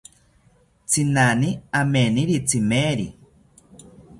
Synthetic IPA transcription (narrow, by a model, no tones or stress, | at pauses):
t͡sinaniameniɾit͡simeːɾḭ